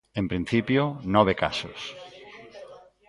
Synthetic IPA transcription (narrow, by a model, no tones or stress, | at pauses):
ẽmpɾin̟θipjonɔβ̞eka̰sos